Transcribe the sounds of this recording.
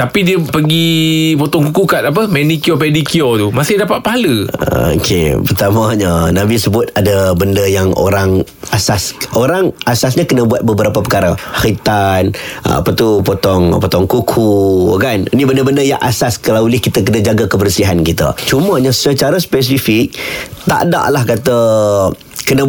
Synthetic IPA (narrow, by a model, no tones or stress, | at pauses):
t̪apidiəpəɡipot̪ɔŋkukukat̪̚ap̬əmɛnikiopɛdikiot̪umasɪhdapat̪̚paɦaləo̰kʰḛpərt̪amaɲanãbisəbʊt̪̚adabəndəjaŋo̰ɾaŋ | asasoɾaŋasasɲakənãbuat̪̚bəbəɾapapəkaɾahit̪ana̰pat̪upot̪ɔŋpot̪ɔŋkukʰukaninibəndəbəndəja̰ŋʔa̰saskalawlɪhkit̪akənad͡ʒaɡakəbərsiɦankit̪ə̰t͡ʃumãɲasət͡ʃaɾaspɛs̬ifɪk̚t̪a̰ʔda̰ʔlahkat̪a | kənə̃